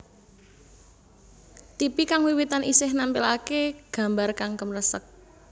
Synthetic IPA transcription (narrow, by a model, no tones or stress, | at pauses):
t̪ipikaŋwiwit̪anʔisɪhnampɪlakeɡ̥a̤mbarkaŋkəmrəsək̚